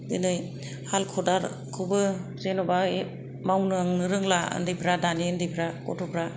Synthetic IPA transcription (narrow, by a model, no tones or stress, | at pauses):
dɯnɯj | halkʰɔdaɾ | kʰɯbɯzenɔbae | mawnɯaŋnɯɾɯŋlaɯ̰ndijpʰɾadaniɯndijpʰɾakɔtʰɔpɾa